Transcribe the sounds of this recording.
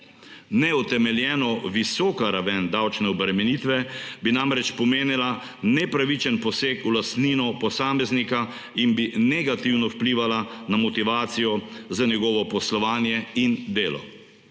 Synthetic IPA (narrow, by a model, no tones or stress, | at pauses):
nɛɔt̪ɛmɛljɛːnɔʋisɔːkaɾaʋɛnd̪awt͡ʃnɛɔbɾɛmɛnit̪ʋɛbinamɾɛt͡ʃpɔmeːnila | nɛpɾaʋit͡ʃɛnpɔseːkulast̪ninɔpɔsaːmɛznika | inbinɛɡat̪iwnɔwpliːʋalanamɔt̪iʋaːt̪sijɔzanjɛɡɔːʋɔpɔslɔʋaːnjɛind̪eːlɔ̰